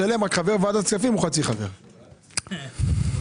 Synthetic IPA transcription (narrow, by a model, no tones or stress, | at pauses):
alemakχave̞ʁvad̪at͡skafimuχat͡siχave̞̰ʁ